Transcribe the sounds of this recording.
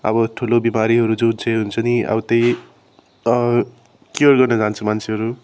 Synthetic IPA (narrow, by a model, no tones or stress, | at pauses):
ʌ̰bʌʈʰulobimaɾiɦʌɾud͡zudt͡sʰeɦunt͡sʰʌniʔʌ̰wt̪ʌj | ʌ | kjorɡʌrnʌd͡zant͡sʰumant͡sʰeɦʌɾu